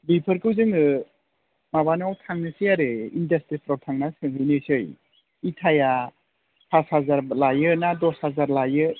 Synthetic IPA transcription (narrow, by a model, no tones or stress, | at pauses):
bipʰɯɾkɯwzɯŋɯ | maβanawtʰaŋnɯsijaɾɯindastɾipʰɾɔtʰaŋnasɯŋɦɯjnɯsɯj | itʰaja | pʰashazaɾlajɯnadɔshazaɾlajɯ